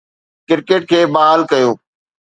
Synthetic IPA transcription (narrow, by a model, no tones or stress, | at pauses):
kɪɾkeːʈ̚kʰeːbaːɦaːlkɐjoː